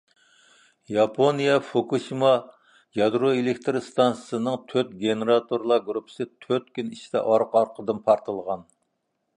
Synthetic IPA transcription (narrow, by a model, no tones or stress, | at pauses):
jɑpʰonijɑfokʰuʃimɑ | jɑd̪ɾoelɪkʲt̪ʰɾɨst̪ɑnsə̥sɨnɨŋt̪ʰøt̪̚ɡʲenɨɾɑt̪ʰoɾlˠɑɡɾupʰːə̥sɨt̪ʰøɾt̪̚kʲynit͡ʃid̪ɛ̰ʔɑɾqɑɾqʰəd̪ɨmpʰɑɾt̪ʰəlˠʁɑn